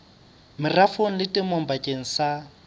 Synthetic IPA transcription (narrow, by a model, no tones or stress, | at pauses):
mɪrafoŋ̩lɪtʼɪmom̩bakʼeŋ̩sa